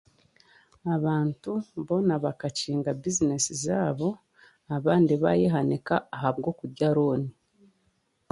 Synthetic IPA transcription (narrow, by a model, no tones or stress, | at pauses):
aβaːntuβo̞naβakaciːŋɡabizine̞sizaːβo̞ | aβaːndiβa̰jeɦanekaːɦaβɡo̞ːkuɾɟaɾoːni